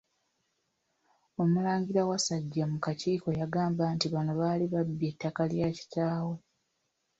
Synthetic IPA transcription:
o̞mulaːɲɡiɾawasaɟːamukaciːko̞jaɡaːmbaːntiβanoβaːliβabːe̞tːakaljaːci̥taːwo

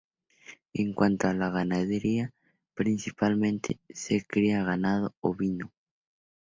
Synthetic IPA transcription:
eŋkwant̪oalaɣ̞anaðeɾia | pɾinsipalmẽnt̪ʰḛsekɾiaɣanað̞ooβino

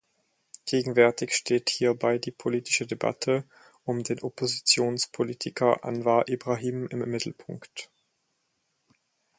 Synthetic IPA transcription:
ɡ̥eːɡŋ̩vɛɐtɪçʃteːthiːɐbaɪdiːpʰoliːtɪ̥ʃədeba̰tʰə | ʔʊmdeːnʔopozit͡sjoːnspʰoliːtʰɪkʰɐʔa̰nvaːʔibʁaːɦiːmɪmːɪtl̩pʰʊŋkt

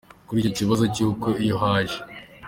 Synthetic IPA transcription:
kuɾicociβazocuːkweijoɦaʒe

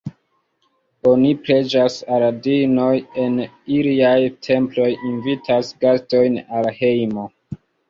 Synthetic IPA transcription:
o̞nipɾe̞d͡ʒasaɾadino̞je̞n | iliajtʰe̞mplo̞jinvitʰasɡasto̞jnalhe̞jmo̞

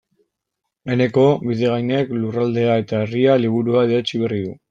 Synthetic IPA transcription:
e̞ne̞ko̞βiðe̞ɣajne̞klurald̪e̞ae̞t̪aerialiβuɾuaðeet͡ʃiβe̞riðu

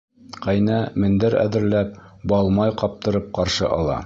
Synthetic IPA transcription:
qæjnæmɘ̆nd̪ɘɾæ̰ðɘ̆ɾlæp̚bɒlˠmɑjqɑp̚t̪ɤ̆ɾɤp̚qɑɾʃɤ̰ʔɑlˠɑ̰

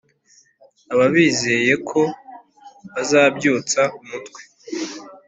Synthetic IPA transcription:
aβaβiːze̞je̞kʰo̞ | βazaːbɟuːt͡saumutwe̥

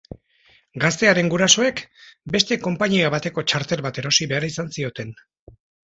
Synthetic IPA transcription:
ɡast̪e̞aɾe̞ŋɡuɾaso̞e̞kbe̞st̪e̞ko̞mpaɲiaβat̪e̞ko̞t͡ʃaɾt̪e̞lβat̪e̞ɾo̞siβe̞aɾisansio̞t̪e̞n

